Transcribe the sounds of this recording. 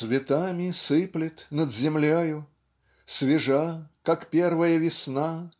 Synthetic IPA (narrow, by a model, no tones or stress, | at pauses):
svʲɪt̪amʲɪsɨplʲɪt̪nəd̪zʲɪmlʲojʊ | svʲɪʐakakpʲervəjəvʲɪsna